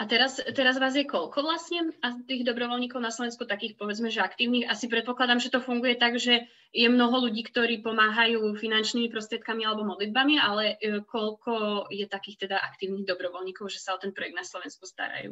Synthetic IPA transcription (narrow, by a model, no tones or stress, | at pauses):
at̪ɛɾast̪ɛɾazʋaːzjɛkɔʎkɔʋlasɲɛat̪iːɣd̪ɔbɾɔʋɔlɲiːkɔʊnaslɔʋɛnskut̪akiːxpɔʋɛd͡zmɛʒɛakt̪iːʊniːxasipɾɛt̪̚pɔklad̪amʒɛt̪ɔfuŋɡujɛt̪aɡʒɛ | jɛmnɔɦɔluɟiːkt̪ɔɾiːpɔmaːɦajuːfinant͡ʃnimipɾɔst̪ɾɛt̪kamialɛbɔmɔd̪lid̪̚bamialɛkɔlkɔjɛt̪akiːxt̪ɛd̪aʔakt̪iːʊniɣd̪ɔbɾɔʋɔlɲiːkɔʊʒɛsaɔt̪ɛnpɾɔjɛɡd̪naslɔʋɛnskust̪a̰ɾa̰jṵː